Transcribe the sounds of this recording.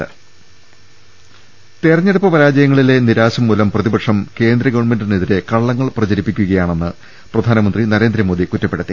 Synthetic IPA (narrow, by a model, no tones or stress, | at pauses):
t̪erɐɲːeɽupːɐpɐɾaːd͡ʑɐjɐŋːɐɭile̞niɾaːɕɐmːuːlɐmprɐðibɐʈʂɐmke̞ːnd̪ɾɐɡɐʋɐɳme̞ndɨneðiɾe̞kɐɭːɐŋːɐɭprɐt͡ɕɐɾipːikʲːuɣɐjaːɳe̞nːɨ | prɐd̪ʱaːnɐmɐnd̪rinɐɾe̞ːnd̪ɾɐmo̞ːd̪ikutːɐpːeɽut̪ːi